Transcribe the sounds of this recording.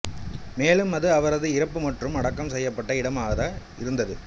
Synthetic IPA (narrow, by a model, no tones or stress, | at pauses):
meːlɯmɐðɯɐʋɐɾɐðɯɪɾɐpːɯmɐʈrɯmɐɽɐkːɐmsɛjːɐpːɐʈːɐɪɽɐmaːɣɐðaː | ɪɾɯnd̪ɐðɯ